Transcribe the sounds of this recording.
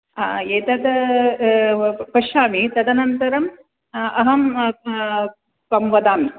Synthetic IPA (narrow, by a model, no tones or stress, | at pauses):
et̪ɐd̪ɐ | pɐʃaːmit̪ɐd̪ɐnɐnt̪ɐɾɐm | ɐɦɐm | pɐmʋɐd̪aːmi